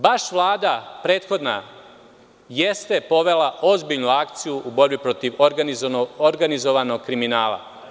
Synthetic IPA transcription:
baʃʋlˠaːd̪apɾe̞ːt̪xo̞d̪na̰ | je̞st̪epo̞ʋe̞laʔozbiʎnuakt̪sijuʔubo̞ɾbipɾo̞t̪iʋ | oɾɡanizo̞ʋano̞ɡ̚kɾiminaːla̰

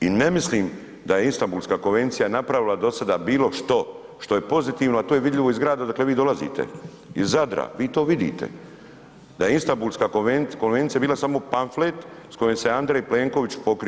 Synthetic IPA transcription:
ine̞misliːm | d̪ajeinst̪ambuːlˠskaːko̞nʋe̞nt̪sijanapɾaʋilad̪o̞sad̪abiːlo̞ʃt̪o̞ | ʃt̪o̞je̞po̞zit̪iːʋnoat̪oːjeʋid̪ʎʲiʋo̞izɡɾaːd̪ad̪akle̞ʋiːd̪o̞lazḭt̪ʰḛ | izad̪ɾa̰ʋiːt̪o̞ːʋid̪ḭːt̪ḛ | d̪ajeinst̪ambuːlskaːkoenko̞nʋe̞nt̪iabiːlasamo̞paɱflet̪sko̞jemseand̪ɾejple̞ːŋko̞ʋit͡ɕpo̞kɾi

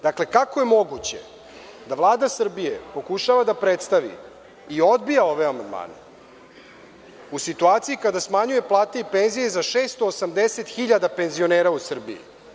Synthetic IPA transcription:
d̪akle̞kako̞je̞mo̞ɡut͡ɕḛ | d̪aʋlˠaːd̪asr̩bije̞po̞kuʃaʋad̪apɾet̪st̪aʋḭ | io̞d̪bijao̞ʋe̞amand̪ma̰ːnḛ | usit̪uaːt̪sijikad̪asmaɲuje̞plˠaːt̪eipe̞nzije̞zaʃeːst̪oːsamd̪ese̞t̪xiʎad̪ape̞nzio̞neːɾausr̩bḭjḭ

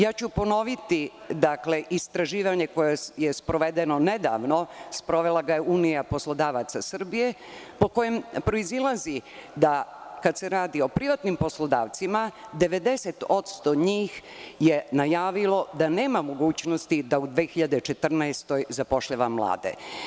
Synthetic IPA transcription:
jaːt͡ɕupo̞no̞ʋit̪id̪akle̞ʔist̪ɾaʒiːʋaɲe̞ko̞jejespɾo̞ʋed̪enone̞d̪a̰ːʋno̞spɾo̞ʋelˠaɡajeuːnijapo̞slˠo̞d̪aːʋat̪sasr̩bije̞ | po̞ko̞jempɾo̞izilˠazid̪akad̪seɾaːd̪io̞pɾiʋat̪nimpo̞slˠo̞d̪a̰ːʋt̪simad̪e̞ʋe̞d̪e̞set̪o̞t̪st̪oɲiːxje̞najaːʋilˠo̞d̪ane̞ːmamo̞ɡuːt͡ɕno̞st̪id̪aud̪ʋeːxiʎad̪et͡ʃe̞t̪r̩naest̪o̞jzapo̞ʃʎaʋamlˠa̰ːd̪ḛ

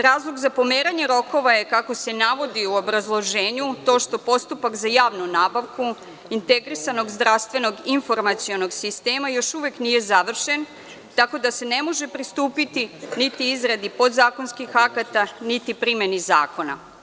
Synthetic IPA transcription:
ɾaːzlˠoɡzapo̞meːɾaɲe̞ɾo̞ko̞ʋaje̞kako̞se̞naʋo̞d̪iuo̞bɾazlˠo̞ʒe̞ːɲut̪o̞ːʃt̪o̞po̞st̪upakzajaːʋnunaːbaʋku | int̪e̞ɡɾisano̞ɡzd̪ɾaʋst̪ʋe̞no̞ɡinfo̞ɾmat̪sio̞no̞ɡsist̪e̞ːmajo̞ʃuʋeknije̞zaʋr̩ʃe̞n | t̪ako̞d̪ase̞nemo̞ʒe̞pɾist̪uːpit̪init̪iizɾad̪ipo̞d̪zaːko̞nskixakat̪anit̪ipɾimjeniza̰ːko̞na̰

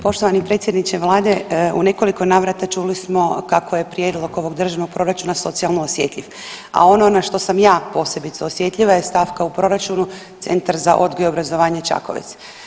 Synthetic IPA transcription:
po̞ʃt̪oʋanipɾe̞t̪sje̞d̪nit͡ʃeʋlˠaːd̪e̞ṵne̞ko̞liko̞naːʋɾat̪at͡ʃuːlismo̞kako̞je̞pɾje̞ːd̪lˠo̞ɡo̞ʋo̞ɡd̪r̩ʒaʋnoɡ̚pɾo̞ɾat͡ʃunaso̞t̪sijalˠnoosje̞ːt̪ʎʲiʋ | a̰o̞no̞naʃt̪o̞samjaːpo̞ːse̞bit̪seosje̞t̪ʎʲiʋajest̪aːʋkaupɾo̞ɾat͡ʃunu | t̪se̞̰nt̪aɾza̰ʔo̞d̪ɡojobɾazo̞ʋaːɲet͡ʃa̰ko̞̰ʋḛt̪s

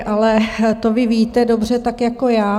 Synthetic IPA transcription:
ʔalɛt̪ovɪviːt̪ɛdo̞br̝ɛt̪akjako̞jaː

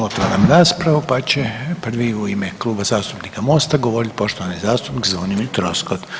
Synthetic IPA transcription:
ot̪ʋaɾamɾaːspɾaʋupat͡ɕe̞pr̩ʋiuimeklˠuːbazaːst̪upnikamo̞ːst̪aɡoʋo̞ɾit̪ʲpo̞ʃt̪o̞ʋanizaːst̪upnikzʋonimit̪ɾoskot̪

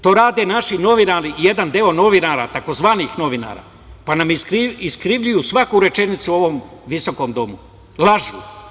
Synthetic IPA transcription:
t̪o̞ːɾaːd̪e̞naʃino̞ʋinaːɾije̞d̪and̪eo̞no̞ʋinaɾat̪ako̞zʋaːnixno̞ʋina̰ːɾa̰ː | panamkiiskɾiʋʎujusʋakuɾe̞t͡ʃe̞nit̪suo̞ʋo̞mʋiso̞ko̞md̪o̞mu | lˠaʒṵ

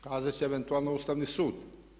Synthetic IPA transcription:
kaːzat͡ʃiɛvɛnt̪ualˠnoust̪avnisuːd̪

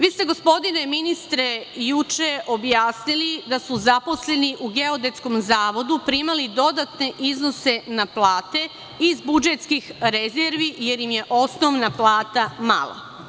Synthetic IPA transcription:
ʋiːst̪e̞ɡo̞spo̞d̪ineminist̪ɾe̞jut͡ʃe̞ʔobjaːsnilid̪asuzapo̞sle̞niʔuɡe̞o̞d̪e̞t̪sko̞mzaːʋo̞d̪upɾimalid̪o̞d̪at̪ne̞ʔizno̞se̞naplaːt̪e̞ | izbud͡ʒet̪skixɾezeɾʋije̞ɾjimje̞ʔo̞sno̞ʋnaplˠaːt̪ama̰lˠa̰

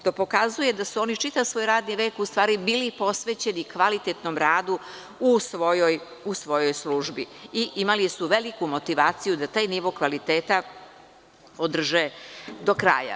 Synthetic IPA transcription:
t̪opo̞kazuje̞d̪asuo̞nit͡ʃit̪aʋsʋoːjɾaːd̪niʋe̞ːkust̪ʋaːɾibiːlipo̞sʋet͡ɕe̞nikʋalit̪et̪nomɾaːd̪u | usʋojoj | usʋo̞jo̞jsluːʒbiiʔimalisuʋelikumo̞t̪iʋaːt̪sijud̪at̪aːjniʋo̞kʋalit̪eːt̪a | od̪r̩ʒed̪o̞kɾa̰ːja̰

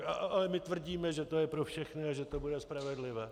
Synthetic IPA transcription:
aalɛmɪt̪vr̩ɟiːmɛʒɛt̪o̞jɛpɾo̞fʃɛxnɪaʒɛt̪o̞budɛspɾavɛdlɪvɛː

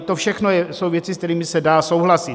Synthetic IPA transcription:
t̪o̞fʃɛxno̞jɛso̞wvjɛt͡sɪskt̪ɛɾiːmɪsɛdaːso̞wɦlasɪt̪

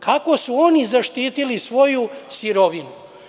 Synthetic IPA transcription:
kʰako̞suo̞nizaʃt̪iːt̪ilisʋo̞jusiɾo̞ʋinu

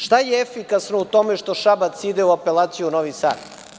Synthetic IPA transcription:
ʃt̪ajeefikasnout̪o̞meʃt̪o̞ʃabat̪sid̪euapelaːt̪sijunoʋisa̰ːd̪

